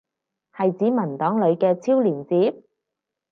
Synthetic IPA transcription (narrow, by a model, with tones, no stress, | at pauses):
hɐ˨jt͡siː˨˥mɐ˨˩nt̪ɔː˨˥ŋlɵ˨˧ɥkɛː˧t͡sʰiː˥wliː˨˩nt͡siː˨˥p̚